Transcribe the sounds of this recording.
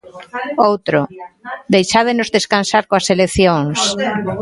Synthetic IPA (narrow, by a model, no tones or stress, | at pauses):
owt̪ɾod̪ejʃað̞enozðeskansaɾkoaselekθjoŋs